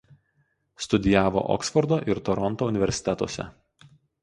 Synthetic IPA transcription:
st̪ʊd̪ʲɪjæːʋo̰ːʔɔ̰ksfɔɾd̪oːʔɪɾt̪ɔɾɔnt̪oːʊnʲɪʋʲɛɾʲsʲɪ̥t̪ʲɛt̪o̰ɔːsʲɛ̰

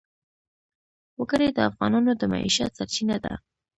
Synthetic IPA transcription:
wəɡəɾed̪əafɣɑnɑnod̪əma̰ʔḭʃat̪saɾt͡ʃinad̪a̰

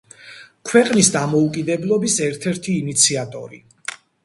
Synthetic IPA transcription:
kʰwɛqʼnisd̪amɔukʼid̪ɛblˠɔbisɛɾt̪ʰɛɾt̪ʰiːnit̪sʰiat̪ʼɔ̰ɾḭ

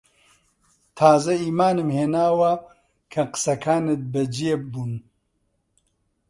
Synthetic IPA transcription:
t̪ʰaːzɐiːmaːnɨmheːnaːwɐ | kʰɐqɨ̥sɐkʰaːnɨt̪̚bɨd͡ʒijebuːn

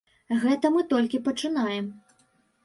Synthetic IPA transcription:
ɣɛt̪ɐmɨt̪ɔlʲkʲipɐt͡ʂɨnajɛm

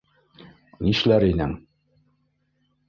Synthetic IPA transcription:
niʃlæɾinɘŋ

